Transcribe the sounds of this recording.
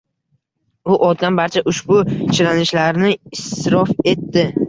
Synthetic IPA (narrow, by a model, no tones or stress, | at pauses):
ʊʔɒt̪̚d̪anbaɾt͡ʃʰaʔʊʃbʊt͡ʃʰɪɾanɪʃlaɾnɪɪsɾɒfe̞t̪ːɪ